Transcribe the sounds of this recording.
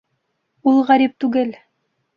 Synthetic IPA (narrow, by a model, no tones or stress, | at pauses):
ulˠʁæɾip̚t̪ʉɡɘl